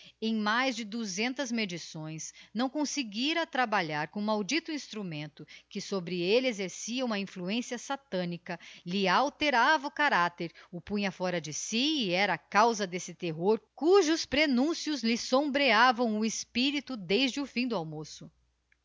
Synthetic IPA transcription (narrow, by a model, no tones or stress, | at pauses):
ẽj̃majzd͡ʒɪd̪uzẽnt̪ɐzmed͡ʒisõj̃snɐ̃w̃kõsɪɡiɾɐt̪ɾabaʎaɾkõmawd͡ʒit̪ʊĩst̪ɾumẽnt̪ʊkɪsobɾɪelɪezeɾsiɐũmɐĩfluẽsiɐsat̪ɐ̃nikɐlɪawt̪eɾavɐʊkaɾat̪eɾʊpũɲɐfɔɾɐd͡ʒɪsiːɛɾɐːkawzɐd̪esɪt̪eɦoɾkuʒʊspɾenũsiʊzlɪsõmbɾeavɐ̃w̃ʊɪspiɾit̪ʊd̪ejzd͡ʒɪʊfĩd̪ʊawmosʊ